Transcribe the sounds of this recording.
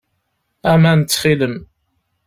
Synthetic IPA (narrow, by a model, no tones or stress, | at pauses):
æmænt͡sːχiləm